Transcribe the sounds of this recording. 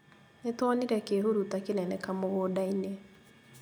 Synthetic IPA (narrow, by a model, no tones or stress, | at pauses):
netwɔneɾɛkeɦuɾutakenɛnɛkamoɣoːdaine